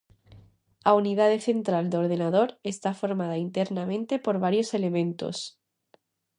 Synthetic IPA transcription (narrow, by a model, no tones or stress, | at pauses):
auniðaðeθe̞nt̪ɾald̪o̞ɾðenað̞o̞ɾe̞st̪afo̞ɾmað̞aint̪eɾnamẽ̞nt̪e̞po̞ɾβaɾjo̞se̞le̞mẽ̞nt̪o̞̰s